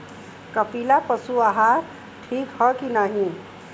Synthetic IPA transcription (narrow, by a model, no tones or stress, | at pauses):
kəpʰilapəsuaɦaɾ | ʈʰikhʌkinaɦĩ